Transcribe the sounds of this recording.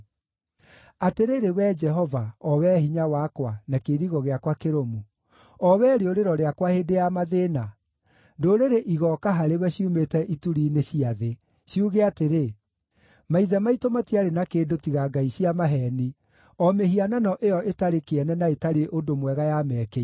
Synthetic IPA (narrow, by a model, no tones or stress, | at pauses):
ateɾeɾewɛd͡ʒɛɦɔvaɔwɛhiɲawakwanakeɾiɣɔɣeakwakeɾomu | ɔwɛːɾeoɾeɾɔɾeakwahedejamaðena | doːɾeɾeʔiɣɔkaɦaɾewɛɕiumetɛʔituɾiːneɕiaðe | ɕiuɣeateɾe | maiðɛmaitomatiaɾenakeːdotiɣaɡaiɕiamaɦɛni | ɔmeɦiananɔʔejɔʔetaɾekeɛnɛnaetaɾeʔodomwɛɣajamɛːke